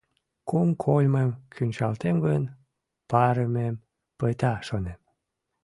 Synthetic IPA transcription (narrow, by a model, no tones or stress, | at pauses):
kuŋkʰolʲmemkʰynʲt͡ɕɑlt̪emɡon | pɑɾemem | pəjt̪ɑʃonem